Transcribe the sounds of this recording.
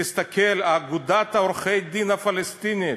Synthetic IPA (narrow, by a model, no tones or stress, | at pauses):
ist̪akelaːɡud̪at̪aoɾχejd̪inafalest̪ini